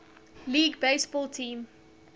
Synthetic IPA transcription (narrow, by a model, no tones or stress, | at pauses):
liːɡbeɪsb̥ɔːlˠtʰĩːm